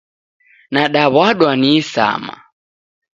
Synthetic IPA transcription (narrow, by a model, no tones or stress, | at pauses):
naɗaβwaɗwaniːsa̰ma̰